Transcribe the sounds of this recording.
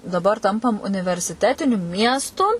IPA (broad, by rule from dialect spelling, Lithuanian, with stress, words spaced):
dɐˈbɐr ˈtɐmpɐm ʊnʲɪʋʲɛrʲsʲɪˈtʲæːtʲɪnʲʊ ˈmʲiɛstʊ